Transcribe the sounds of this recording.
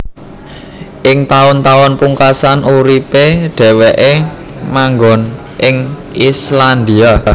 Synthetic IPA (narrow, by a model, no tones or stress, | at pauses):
ʔɪŋt̪aʊnt̪aɔnpuŋkasanʔuɾipeɖ̥ɛ̤weʔe | maŋɡɔ̤n | ʔɪŋ | island̪ia